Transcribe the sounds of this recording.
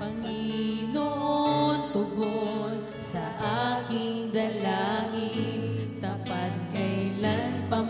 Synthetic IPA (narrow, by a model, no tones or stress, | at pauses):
pɐŋinont̪ʊɡon | sɐʔakɪŋd̪ɐlaŋɪt̪ɐpat̪̚kɐjlanpɐ